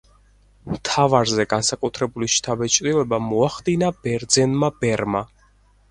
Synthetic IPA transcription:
mt̪ʰavaɾzɛɡansakʼut̪ʰɾɛbuliʃt̪ʰabɛt͡ʃʼɾilɛbamɔaχd̪inab̥ɛɾd̪zɛnmabɛɾma

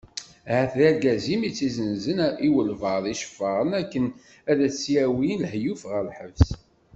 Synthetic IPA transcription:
hæθlæɡæzimit͡sːizənzəniwəlvəðˤiʃə̥fːəʁənækːən | æðæt͡sːiæwinhjufʁəlħəvs

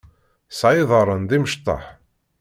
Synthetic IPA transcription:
sʕɪðˤəɾˤənðiməʃt̪ˤːɑ̰ħ

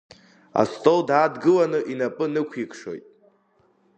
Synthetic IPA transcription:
a̰stʼowdaːdɡɨlanɨʔinapʼɨnɨkʷʰikʰʂo̞̰jtʼ

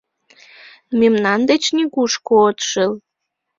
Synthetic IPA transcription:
memnɑnd̪et͡ɕniɣuʃkoot̪ʃəl

